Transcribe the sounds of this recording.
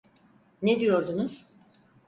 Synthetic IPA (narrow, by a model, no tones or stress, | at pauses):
ned̪ijo̞ɾd̪unuz̥